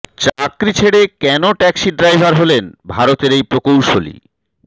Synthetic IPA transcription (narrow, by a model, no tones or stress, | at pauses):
t͡ɕakɾit͡ɕʰeɽekɛnoʈɛksiɖɾajbʱaɾɦolenbʱaɾot̪eɾejpɾokowʃolḭ